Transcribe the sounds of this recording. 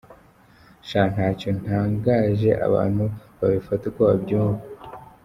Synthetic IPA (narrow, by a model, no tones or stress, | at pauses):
ʃan̥haːcon̥aːŋɡaːʒe̞ʔa̰βa̰ːn̥huβaβifatukoβabɟuːɱva